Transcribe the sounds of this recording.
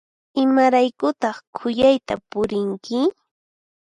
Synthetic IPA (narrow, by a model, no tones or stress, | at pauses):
ɪmaɾajkʊt̪ɑχkʰʊjajt̪apʊɾɪŋkɪ